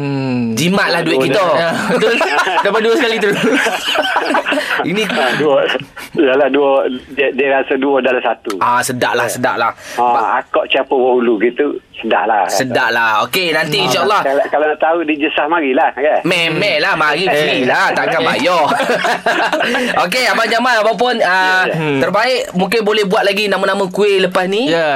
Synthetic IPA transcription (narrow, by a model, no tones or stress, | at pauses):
d͡ʒimaʔ̪̚lahduɪʔkioat̪ʊdamaduəsəkalit̪əɾus | iniduɔdaladuɔdiədiəɾasaduɔdalasat̪uasədaʔlahsəda̰ʔlahaa̰kɔʔt͡ʃapɔwəuluɡit̪usəda̰ʔlasədaʔlaokenant̪iːnʃaɑlːɔhakalanaʔt̪auʔdid͡ʒəsahmaɾilahɡamɛmɛ̃ʔlahmaɾiilat̪akabajɔ | ok̬eapad͡ʒamanapawp̬ʊnət̪ərbaɪʔmũŋk̬ɪnbolɛhbuat̪̚laɡinamanamãkueʔləpasnijə